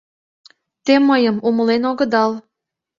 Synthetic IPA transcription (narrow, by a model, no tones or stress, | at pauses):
t̪eməjəmuməlenoɣə̆d̪ɑl